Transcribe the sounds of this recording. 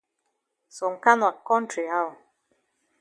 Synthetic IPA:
sɔ˨ŋ̩˨ka˦nwa˨kːɔ˦n˦tɾi˨ha˦˨

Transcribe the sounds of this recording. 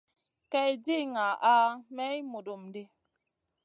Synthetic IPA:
kɛ˦˨d͡ʒi˦ŋa˨ʔa˦mɛ˦i˦mo˨do˨mde˦

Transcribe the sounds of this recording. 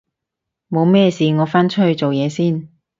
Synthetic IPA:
mo˨˧wmɛː˥siː˨ŋɔː˨˧faː˥nt͡ʃʰɵ˥hɵ˨˧ɥt͡so˨wjɛː˨˧siː˥˩n

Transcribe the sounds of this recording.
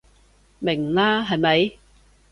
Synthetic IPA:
mɪ˨˩ŋlaː˥ɦɐ˨jmɐ˨˧j

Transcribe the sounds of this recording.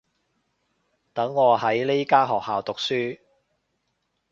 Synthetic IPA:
t̪ɐ˨˥ŋːɔː˨˧ɦɐ˨˥jle˥jkaː˥ɦɔː˨k̚haː˨wt̪ʊ˨k̚syː˥

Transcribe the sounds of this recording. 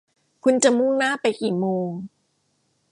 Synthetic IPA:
kʰu˧nt͡ɕa˨˩mu˥˩ŋnaː˥˩pa˧jkiː˨˩moː˧ŋ

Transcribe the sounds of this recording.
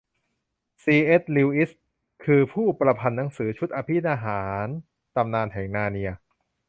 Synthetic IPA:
siː˧ʔe˦˥t̪̚liː˧wʔi˦˥s | kʰɯː˧pʰuː˥˩pɾa˧pʰa˧nːa˩˦ŋsɯː˩˦t͡ɕʰu˦˥t̪̚ʔaː˧pʰi˦˥˩t̪̚ʔaː˧ɦaː˩˦n | t̪a˧mnaː˧nt̪ʰɛː˩˦ŋnaː˧ni˧ɐ

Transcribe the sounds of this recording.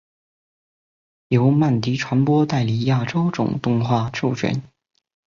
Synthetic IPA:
jo˧˥ʊma˥˩nt̪i˧˥ʈ͡ʂʰwa˧˥npwɔ˥t̪a˥˩ɪli˨˩˥ja˥˩ʈ͡ʂo˥ʊʈ͡ʂʊ̰˨˩ŋt̪ʊ˥˧ŋxwa˥˧˩ʈ͡ʂʰu˥˩t͡ɕʰɥɛ̰˧˥˦n

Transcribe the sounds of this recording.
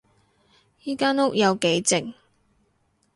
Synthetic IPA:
jiː˥kaː˥nʊ˥k̚jɐ˨˧wke˨˥jt͡sɪ˨ŋ

